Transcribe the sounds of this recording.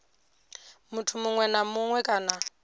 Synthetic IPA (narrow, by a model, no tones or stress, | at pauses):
mutʰumuŋwɛnamuŋwɛkʼaːna